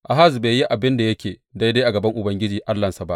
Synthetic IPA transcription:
ʔa˨ɦa˦zbeː˨ji˦ʔa˨bɪ˦nda˨jɐ˦kʲeː˨da˦jda˦ʔa˨ɡɐ˨bɐ˦ŋʔʊ˨bɐ˦ŋɡʲɪ˦d͡ʒiː˨ʔa˦lːɐ˨nsa˨ba˦ʔ

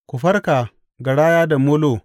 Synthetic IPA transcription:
ku˨ɸɐ˦rka˨ | ɡa˨ɽaː˦jaː˦da˨mo˦loː˦˨

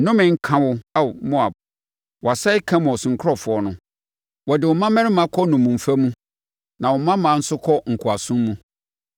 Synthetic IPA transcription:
nʊ̃˦mɪ̃˨ŋ̩˦kʰã˦wʊ˦a˦˨mʊ̃˦a˨b | wɔ˨a˨sa˦ɪ˦kʰã˦mɔ̃˨sʊ̃˨ŋ̩˨˦kʰɔ˨fʊ˨˦ɔ˦nʊ̃˦ | wɔ˨dɪ˨wʊ˨mã˦mɛ̃˦ɾɪ˦mã˦kʰɔ˦nʊ̃˨mũ˨m̩˨fa˦mũ˦ | nã˨wɔ˨mã˦mã˨˦n̩˦sʊ˦kʰɔ˦ŋ̩˨kʰʊ˨a˨sũ˦mmũ˦

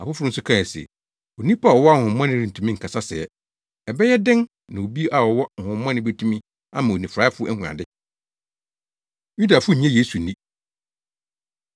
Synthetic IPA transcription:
a˨fʊ˦fʊ˦ʊ̃˦n̩˦sʊ˦kʰã˦˨sɛ̰˨ | o˨nĩ˦pa˦˨wɔ˨wɔ˦a˦˨hʊ̃˨˦mɔ̃˦nɪ̃˦ɾĩ˨n˨tʰũ˨mĩ˦ŋ̩˨kʰa˨sa˦sɛ̰˨ɛ˨ | ɛ˨bɛ˦jɛ˦dɪ̃˦ŋ | nã˨o˨bi˦ʔa˨wɔ˨wɔ˦ŋ̩˨hʊ̃˨mːɔ̃˦nɪ̃˦be˦tʰũ˦mĩ˦ | ã̰˦mã˨o˨nĩ˨fɾa˦fʊ˦ʔɛ˦hũ˨a̰˨dɪ˦ | ju˦da˨fʊ˦ɲ̩˨ɲã˦jeː˦su˨nĩ˦

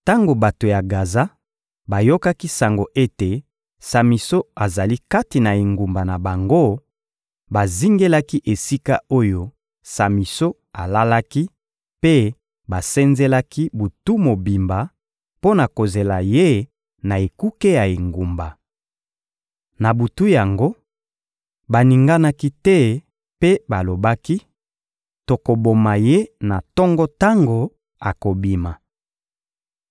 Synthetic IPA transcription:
ta˦ŋɡo˨ba˨to˨ja˨ɡa˨za˦ | ba˨jo˦ka˦ki˦sa˨ŋɡo˨ʔe˦te˨ | sa˨mi˨so˦a˨za˨li˦ka˦ti˨na˨e˨ŋɡu˨mba˨na˨ba˨ŋɡo˦ | ba˨zi˦ŋɡe˦la˦ki˦ʔe˨si˦ka˦o˦jo˦ | sa˨mi˨so˦ | a˨la˦la˦ki˦ | pe˦ | ba˨sɛ˦nze˦la˦ki˦bu˨tu˦mo˨bi˨mba˨ | po˦na˨ko˨ze˨la˨je˦ | na˨e˨ku˦ke˦ja˨e˨ŋɡu˨mba˨ | na˨bu˨tu˦ja˨ŋɡo˦ | ba˨ni˨ŋɡa˦na˦ki˦tɛ˦ | pe˦ba˨lo˨ba˦ki˦ | to˨ko˨bo˨ma˨je˦na˨tɔ˦ŋɡɔ˦ta˦ŋɡo˨ | a˨ko˨bi˨ma˨

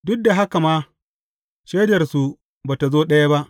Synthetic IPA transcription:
dʊ˦k̚da˨ɦa˦ka˨maː˦ | ʃeː˦dɐ˨rsu˨ | baː˨ta˨zoː˦ɗɐ˦ja˦ba˦ʔ

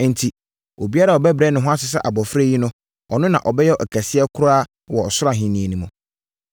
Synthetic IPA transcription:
n̩˨tʰi˨ | o˨bi˦a˦ɾa˨ɔ˨bɛ˦bɾɛ˦nɪ̃˨ɦʊ̃˦a˦s̬ɪ˨s̬ɛ̰˦ʔa˨bɔ˨fɾe˦ji˦nʊ̃˦ | ɔ˨nʊ̃˦nã̰˨ʔɔ˨bɛ˦jɛ˦ɔ˨ʔæ˨kʰæ˨sɪ˦ɛ˦kʰʊ˦ɾaː˦ | wɔ˨ɔ˨sʊ˦ɾa˨ɦĩ˨nĩ˨e˨nĩ˨mʊ̃˨

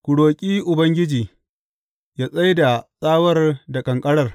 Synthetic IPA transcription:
kʷʊ˨ɽoː˨kʲʼiː˦ʔʊ˨bɐ˦ŋɡʲɪ˦d͡ʒiː˨ | jaː˦sʼa˦jda˨sʼaː˦wɐ˦rda˨kʼɐ˨ŋkʼɐ˦ɽɐ˦˨r

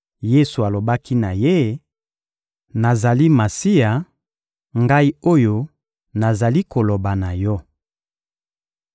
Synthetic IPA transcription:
je˦su˨a˨lo˨ba˦ki˦na˨je˦ | na˨za˨li˦ma˨si˦a˨ | ŋɡa˦i˦o˦jo˦ | na˨za˨li˦ko˨lo˨ba˨na˨jɔ˦

